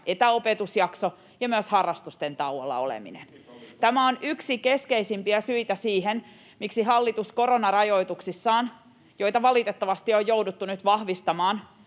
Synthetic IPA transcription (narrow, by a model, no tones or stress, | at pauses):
ʔet̪æopet̪usjɑkso | jɑmyøshɑrːɑst̪ust̪ent̪ɑwɑlːɑ̰o̰lḛmḭnḛn | t̪æmæonyksike̞skeisimpiæsyit̪æsiːɦen | miksiɦɑlːit̪usko̞ɾo̞nɑrɑjo̞it̪uksisːɑːn | jo̞jt̪ɑʋɑlit̪et̪ːɑʋɑst̪iojjouwdut̪ːunyt̪ʋɑhʋist̪ɑmɑːn